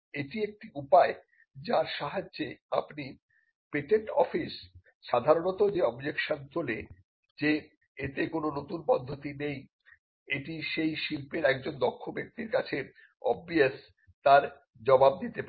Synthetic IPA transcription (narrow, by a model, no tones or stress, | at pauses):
eʈiek̚ʈiupae | d͡ʑaɾʃaɦad͡ʑːeapni | peʈeɳʈɔfis | ʃad̪ʱaɾonot̪od͡ʑeɔbd͡ʑekʃont̪ole | d͡ʑe | et̪ekononot̪unpɔd̪ʱːot̪inej | eʈiʃejʃilpeɾɛk̚d͡ʑond̪ɔkʰːobek̚t̪iɾkat͡ɕʰe | ɔ̰bies | t̪aɾ | d͡ʑɔbab̚d̪it̪epa